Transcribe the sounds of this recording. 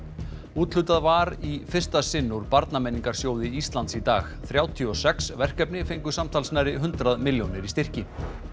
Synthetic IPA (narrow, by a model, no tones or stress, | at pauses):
uːt̪lʏt̪aðvaɾifɪr̥st̪asɪnːuɾpaɾt̪namɛniŋkaɾ̥sjoːwðɪist̪lant̪sit̪aːxθɾjaːwt̪ʰiɔsɛksvɛr̥kɛpnɪfejŋkʏ̥samt̪ʰalsnaːjɾɪɦʏnt̪ɾaðmɪljownɪɾist̪ɪr̥cɪ